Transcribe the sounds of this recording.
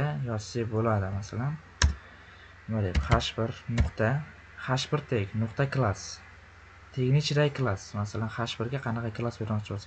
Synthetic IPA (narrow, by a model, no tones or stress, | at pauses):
ajɒsːɪbolad̪ɪmasalan | noɾepχaʃbɪɾnʊqt̪ʰa | χaʃbɪɾt̪ʰekʲnʊqt̪ʰakʰlˠas | t̪ʰeɡʲnɪt͡ʃʰɾajkʰlˠasmasalanχaʃbɪɾɡʲaqʰɑnɑqʰɑkʰlˠasbe̞ɾmɒqt͡ʃʰɪbolsa